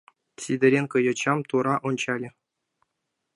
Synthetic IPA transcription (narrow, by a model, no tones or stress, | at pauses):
sʲid̪ʲɘ̆ɾʲenʲkɤ̆jɤ̆t͡ɕɑmt̪uɾɑʔunt͡ɕɑlʲɘ̆